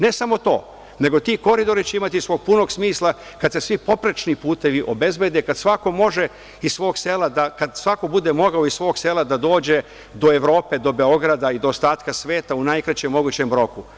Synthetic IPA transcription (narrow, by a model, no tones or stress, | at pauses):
ne̞samo̞t̪o̞ː | ne̞ɡo̞t̪iːko̞ɾid̪o̞ɾit͡ɕe̞imat̪isʋoːɡ̚puno̞ɡsmiːslˠa | kad̪se̞sʋipo̞pɾet͡ʃnipuːt̪e̞ʋiʔo̞be̞zbe̞d̪ekad̪sʋako̞mo̞ʒe | issʋo̞ːɡselad̪akad̪sʋako̞bud̪e̞mo̞ɡaoissʋo̞ːɡselˠad̪ad̪o̞ːd͡ʑe̞ | d̪o̞eʋɾo̞ːpe̞d̪o̞be̞o̞ɡɾad̪aid̪ooːst̪aːt̪kasʋe̞ːt̪aunajkɾat͡ɕemːo̞ɡut͡ɕe̞mɾo̞ku